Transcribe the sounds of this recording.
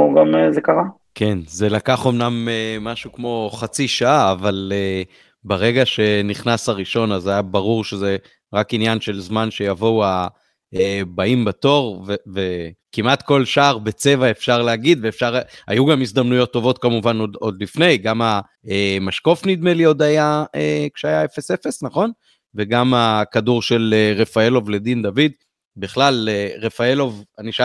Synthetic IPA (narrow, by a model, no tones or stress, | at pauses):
ɡamezekaʁa | kʰe̞nze̞lakaχo̞mnamemaʃukmo̞χat͡siʃaaːvale | beʁe̞ɡaʃe̞niχnasaʁiʃo̞nazajabaʁuʁʃe̞ze̞ | ʁakinjanʃe̞lzmanʃe̞javo̞wa | ebaimbat̪o̞ʁvevekimat̪ko̞lʃaːʁbet͡se̞vaefʃaʁleaɡid̪veːfʃaʁa̰juɡamisd̪amnujo̞t̪ːo̞vo̞t̪kamuvanod̪o̞d̪lifne̞jɡama | emaʃko̞fnid̪me̞lio̞d̪ajaekʃeajae̞fe̞se̞fe̞snaχo̞n | veɡamakaduʁʃe̞leʁe̞faelo̞vle̞d̪ind̪avid̪ | biχlaleʁe̞faelo̞vaniʃa